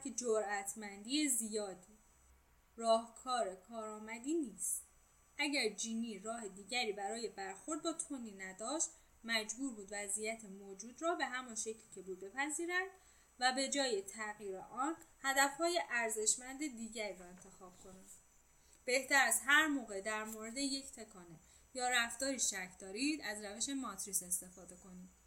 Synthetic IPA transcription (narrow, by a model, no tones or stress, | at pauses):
kʰed͡ʒoɾæt̪ʰmænd̪iːezijɒːd̪iː | rɒːhkʰɒːɾe̞kʰɒːɾɒːmæd̪iːniːst̪ | æɟæɾd͡ʒiːniːɾɒːhe̞d̪iːɟæɾiːbæɾɒːje̞bæɾxo̞ɾd̪̚bɒːt̪ʰoniːnæd̪ɒːʃt̪ | mæd͡ʒbuːɾbuːd̪væzijæt̪ʰemoːd͡ʒuːd̪rɒːbe̞ɦæmɒnʃecʰlcʰebuːd̪be̞pʰæziːɾænd̪̥ | væbe̞d͡ʒɒːje̞t̪ʰæɣiːɾeʔɒːnhæd̪æfhɒːje̞ʔæɾze̞ʃmænd̪e̞d̪iːɟæɾiːɾɒːe̞nt̪ʰe̞xɒːb̥̚kʰo̞næd̪ | b̥e̞ht̪ʰæɾæzɦæɾmoːɣe̞d̪æɾmoɾe̞d̪e̞je̞cʰt̪ʰe̞kʰɒːne | jɒːɾæfd̪̥ɒːɾiʃæcʰd̪ɒːɾiːd̪æzɾæve̞ʃe̞mɒt̪ʰɾise̞st̪e̞fɒːd̪e̞ko̞niːd̪̥